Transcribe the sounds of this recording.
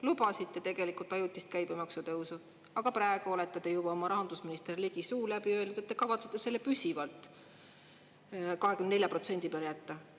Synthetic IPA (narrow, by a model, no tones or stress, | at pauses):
lubɑsit̪ːe̞t̪e̞ɡ̥e̞likult̪ːˑɑjut̪ʲːˑist̪̚kæjbemɑksut̪ɤwsu | ɑɡ̥ɑpɾæeɡ̥uo̞le̞t̪ːˑɑd̪̥e̞jubɑo̞mɑɾɑɦɑnd̪̥usminist̪erliɡ̥isuːlæbiø̞ld̪̥ɑet̪ːekɑvɑt̪set̪ːˑe̞se̞lːe̞pysʲivɑlt̪ˑ | kɑɦekymnne̞ljɑpro̞t̪se̞nʲd̪̥ipeljæt̪ːɑ